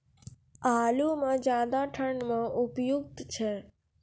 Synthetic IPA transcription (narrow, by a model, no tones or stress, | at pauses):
alumãd͡ʒãd̪aʈʰəɳmãʔupjuk̚t̪t͡ʃʰe